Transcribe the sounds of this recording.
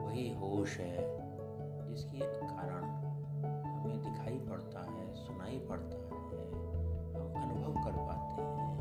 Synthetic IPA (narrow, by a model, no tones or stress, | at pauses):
ʋɐɦiɦoːʃɦɛː | d͡ʒɪskeekːaːɾəɽ̃ | hɐmẽd̪ɪkʰaːipɐɽt̪aɦɛːsʊnaːipɐɽt̪aɦɛ | ɔːɐnʊbʱəʋkɐɾpaːt̪eɦɛ̃